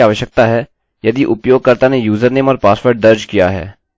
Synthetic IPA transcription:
aːʋəʃjək̚t̪aɦɛː | jɐd̪iʔʊpjoːɡ̚kɐɾt̪anejuːzəɾneːmɔːɾpaːspəɾʈ̚d̪ɐɾd͡ʒkijaɦɛ̰ː

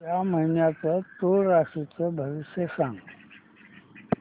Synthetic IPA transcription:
jaməɦinjat͡sət̪oɾaʂit͡səbʱəʋiɕjəsãŋɡ

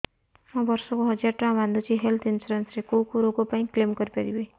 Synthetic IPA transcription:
mɔ̃bɔɾsɔkoɦɔd͡ʒjaɾʈãband̪ʱut͡ʃʰiɦelt̪ʰinsuɾensɾekowkuɾoɡopaĩklemkɔɾipaɾibe

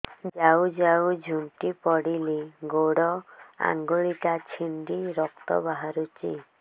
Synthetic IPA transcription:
d͡ʒawd͡ʒawd͡ʒʱunʈ̪ipɔɽiliɡoɽɔa̰ŋɡoɭit̪at͡ʃʰind̪iɾɔk̚t̪ɔ̰baɦaɾut͡ʃḭ

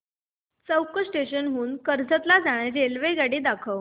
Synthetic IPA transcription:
t͡səwkəsʈeɕənɦuːnkəɾd͡zʱət̪lad͡zaɽ̃eɾelʋeɡaɽiːd̪akʰəʋ

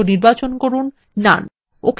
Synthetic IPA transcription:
oniɾbat͡ɕonkoɾunː | a̰n | okʰ

